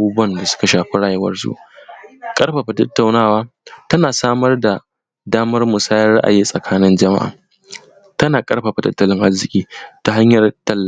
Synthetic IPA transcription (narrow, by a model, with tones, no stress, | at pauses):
ʔa˨˦buː˦bʊ˦ɐ˦˨nda˨sʊ̥˦ka˨ʃaː˨ɸe˦ɽaː˨je˦wɐ̰˦rsṵ˦ʔ | kʼɐ˦rɸa˨ɸa˨tɐ˦tːa˨wnaː˦˨waː˦ | tɐ˦naː˨saː˦mɐ˦rda˨ | daː˦mɐ˦rmʊ˨saː˦jɐ˦rɽa̰˦ʔa̰˨jiː˦sʼɐ˨kʰaː˦nɪ˦nd͡ʒɐ˨ma̰˦ʔa̰ː˨ | tɐ˦naː˨kʼɐ˦rɸa˨ɸa˨tɐ̰˦tːɐ˦lɪ˦ŋʔa˦zɪ˨kʲʼiː˦ta˨ɦa˦ɲjɐ˨rtɐ˦lːa˨